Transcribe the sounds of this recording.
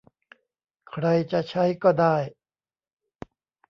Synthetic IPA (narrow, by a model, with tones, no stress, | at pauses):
kʰɾa˧jt͡ɕa˨˩ʔt͡ɕʰa˦˥jkɔː˥˩daː˥˩j